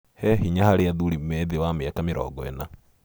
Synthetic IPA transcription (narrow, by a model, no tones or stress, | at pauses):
hɛhiɲahaɾeaðuɾimɛðewameakameɾɔ̰ɡɔɛ̰na